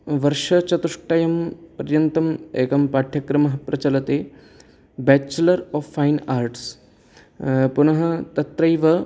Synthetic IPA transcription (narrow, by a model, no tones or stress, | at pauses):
ʋɐɾʃɐt͡ʃɐt̪uʂʈɐjɐmpɐɾjɐnt̪ɐmeːkɐmpaːʈʰjɐkɾɐmɐɦɐpɾɐt͡ʃɐlɐt̪eː | bɛt͡ʃːɐlɐɾɔːfːajnaːɾʈs | punɐɦɐ̆t̪ɐt̪ɾɐjʋɐ